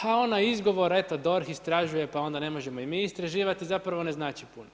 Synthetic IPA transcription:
hao̞najizɡo̞ʋo̞ɾe̞t̪od̪o̞ɾxist̪ɾaʒuje̞pao̞nd̪ane̞mo̞ʒe̞moimiːist̪ɾaʒiːʋat̪izapɾaʋone̞znaːt͡ʃipuno

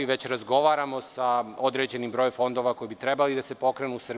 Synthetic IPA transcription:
iʋe̞t͡ɕɾazɡo̞ʋaːɾamo̞sao̞d̪ɾe̞ːd͡ʑe̞nimbɾo̞jefo̞nd̪o̞ʋako̞jibit̪ɾe̞balid̪ase̞po̞kɾenusr

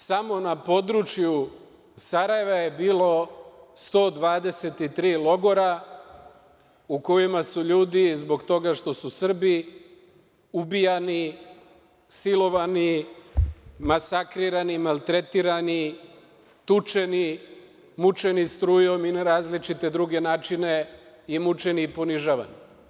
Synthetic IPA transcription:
samo̞napo̞d̪ɾut͡ʃju | saɾaje̞ʋaje̞biːlo̞st̪o̞ːd̪ʋaːd̪e̞se̞t̪it̪ɾiːlo̞ɡo̞ɾa | uko̞imasuʎuːd̪izbo̞ɡt̪o̞ɡaʃt̪o̞susr̩bi | ubijani | silo̞ʋani | masakɾiɾanimalˠt̪ɾet̪iɾani | t̪ut͡ʃe̞ni | mut͡ʃe̞nist̪ɾuːjo̞minaɾaːzlit͡ʃit̪e̞d̪ɾuɡe̞naːt͡ʃine | imut͡ʃe̞nipo̞niʒaʋa̰ni

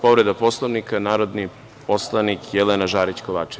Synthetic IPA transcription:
po̞ʋɾe̞d̪apo̞slˠoʋnikanaːɾo̞d̪ni | po̞slˠanikjelenaʒaːɾit͡ɕkoʋaːt͡ʃe

